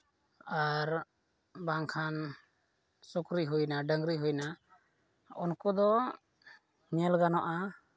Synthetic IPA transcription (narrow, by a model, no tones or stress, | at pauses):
aɾ | baŋkʰan | sɔkɾiɦujnaɖəŋɾiɦujna | ɔnkɔd̪ɔ | ɲɛlɡanɔʔa